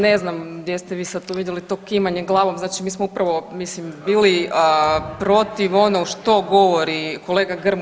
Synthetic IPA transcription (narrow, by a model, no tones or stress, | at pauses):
neznamɡd̪jest̪ɛʋiːsad̪̚t̪oʋid̪jelit̪o̞ːkimaɲeɡlˠaːʋomznaːt͡ʃimiːsmoupɾaʋo̞mislimbiːliəpɾo̞t̪iʋo̞noɡʃt̪o̞ɡoʋoɾiko̞lˠeːɡaɡr̩m